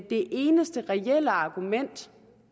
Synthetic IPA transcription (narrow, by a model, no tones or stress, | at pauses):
d̥e̝ʔe̝ːnəsd̥əʁɛeləɑ̈ɡ̥umen̰d̥